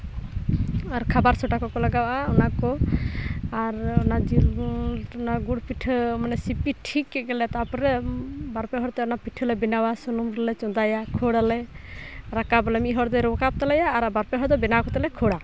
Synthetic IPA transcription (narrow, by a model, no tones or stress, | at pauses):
aɾkʰabaɾsɔʈakɔkɔlaɡawaʔaɔnakɔ | aɾɔnad͡ʒil | ɔnaɡuɽpiʈʰmanɛsipiʈʰikːɛɡɛlɛt̪apɔɾɛbaɾpɛɦɔɾt̪ɛɔnapiʈʰːəlɛbinawasɔnumɾɛlɛt͡ʃɔ̃nd̪ajakʰoɽalɛ | ɾakabɔlɛmiʔɦɔɾd̪ɛɾɔkap̚t̪alajaːɾabaɾpɛɦɔɾd̪ɔbɛnakɔt̪ɛlɛkʰɔɽa